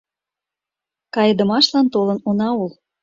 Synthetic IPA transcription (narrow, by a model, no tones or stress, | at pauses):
kɑjə̆d̪ə̆mɑʃlɑnt̪olɤ̆nunɑul